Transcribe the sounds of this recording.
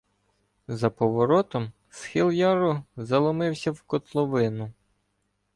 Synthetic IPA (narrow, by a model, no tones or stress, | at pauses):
zɐpɔʋɔɾɔt̪ɔm | sxilˠjɑɾʊzɐlˠɔmɪwsʲɐwkɔt̪lˠɔʋɪnʊ